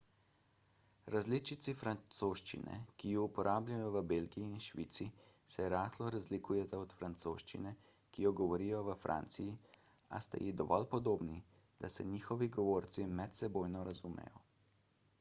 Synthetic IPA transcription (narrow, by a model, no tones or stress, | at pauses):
ɾazlit͡ʃit̪sifɾant̪soːʃt͡ʃḭnɛ̰kijuupɔɾʔaːblʲajɔʋəbelɡiiːnʃʋḭːt̪sisɛɾaːxlɔɾazlikuːjɛt̪aɔt̪fɾant̪so̰ːʃt͡ʃinɛkijɔɡɔʋɔɾijɔʋəfɾʔa̰ːnt̪siji | a̰st̪a̰jid̪ɔʋɔ̰lpɔd̪oːbni | d̪̥asɛɲiːxɔʋiɡɔʋoːɾt̪simɛt̪sɛbojnɔɾazumɛ̰jɔ̰